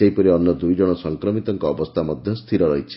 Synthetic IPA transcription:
eipɔɾiɔnːɔd̪ujd͡ʒɔɽ̃ɔsɔŋkɾɔmit̪ɔŋkɔːbɔst̪ʰamɔd̪ʱjɔst̪ʰiɾɔɾɔjt͡ʃʰi̥

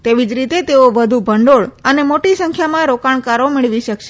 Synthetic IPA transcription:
t̪eʋid͡ʒɾit̪et̪eoʋəd̪ʱũbʱəɳɖoɭənemoʈisəŋkʰjamãɾokaɳkaɾomɪɭʋiʃəkʃe

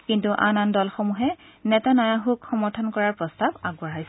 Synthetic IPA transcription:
kintuʔanandɔlxɔmuɦɛ | nɛtanajaɦukxɔmɔɹtʰɔnkɔɹaɹpɹɔstabaɡbɔɹajsɛ

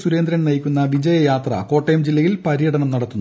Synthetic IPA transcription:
suɾe̞ːnd̪ɾɐnnɐjikʲːunːɐʋid͡ʑɐjɐjaːt̪rɐ̰ko̞ːʈːɐjɐmd͡ʑilːɐjilpɐɾijɐɽɐɳɐmnɐɽɐt̪ːunː

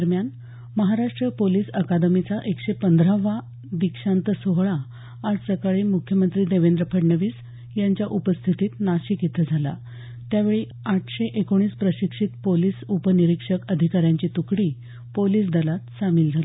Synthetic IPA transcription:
əɾmjan | məɦaɾaʂʈɾəpoliːsəkad̪əmit͡saʔekɕepənd̪ɾaʋa | d̪ikʂant̪əsoɦɭaː | d͡zpɾəkaɭiːmukʰjəmənt̪ɾiːd̪eʋend̪ɾəpʰəɽɳəʋiːs | jaɲt͡ɕjaʔupəst̪ʰit̪iːt̪naɕikit̪ʰəd͡zʱala̰ | t̪jaʋeɭi | aʈʰɕeʔekoɽ̃iːspɾəɕikʂit̪poliːsupəniɾikʂəkəd̪ʱikaɾjãɲt͡ɕiːt̪ukɽiː | poliːs̬d̪əlat̪samild͡zʱali

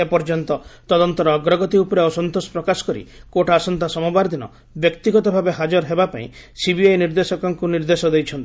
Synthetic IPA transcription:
epɔɾd͡ʒɔnt̪ɔt̪ɔd̪ɔnt̪ɔɾɔːɡɾɔɡɔt̪iupɔɾeɔsɔnt̪osɔ̥pɾɔkasɔ̥kɔɾḭkoʈasɔnt̪asɔmɔbaɾd̪inɔ̰ | bjɔkt̪iɡɔt̪ɔbʱabeɦad͡ʒɔɾɦebapaḭ̃sibiajniɾd̪esɔkɔŋkuniɾd̪esɔd̪ejt͡ʃʰɔnt̪i

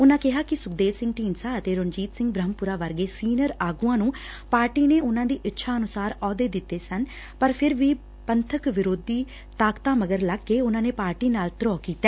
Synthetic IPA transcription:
ʊnãːkɪɦaːkɪsʊkd̪eːʋsɪ̃ŋɡ̚ʈiːnsaːət̪eːɾond͡ʒiːt̪sɪ̃ŋɡbɾəɦmpʊɾaːʋəɾɡeːsiːnəɾaːɡuãːnũː | paːɾʈiːneːʊnãːd̪iːʔɪtːʃʰaːənʊsaːɾɔːd̪eːd̪ɪt̪ːeːsən | pəɾpʰɪɾʋiː | pənt̪ʰəkʋɪɾoːd̪iː | t̪aːkt̪ãːməɡəɾləɡːeːʊnãːneːpaːɾʈiːnaːlt̪ɾɔːkiːt̪ːɛː

